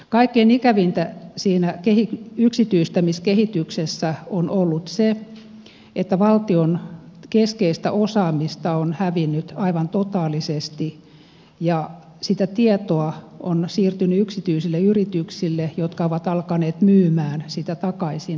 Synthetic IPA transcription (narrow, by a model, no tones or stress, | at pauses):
kɑikːeinikæʋint̪æsiːnækehikyksit̪yist̪æmiskehit̪yksesːæonolːut̪se | et̪ːæʋɑlt̪ionkeskeist̪æ̰ʔosɑːmist̪ɑonhæʋinːyt̪ɑiʋɑnt̪ot̪ɑːlisest̪i | jɑ | sit̪æt̪iet̪oɑonsiːrt̪ynyyksit̪yisilːeyrit̪yksilːejot̪kɑoʋɑt̪ɑlkɑneːt̪myːmæːnsit̪æt̪ɑkɑisin